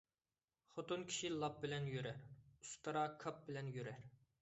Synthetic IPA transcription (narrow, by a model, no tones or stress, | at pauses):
χot̪unkʲʰi̥ʃilˠɑp̚bɪlɛnjøɾɛɾust̪ʰɑɾɑkʰɑp̚bɪlɛnjøɾɛɾ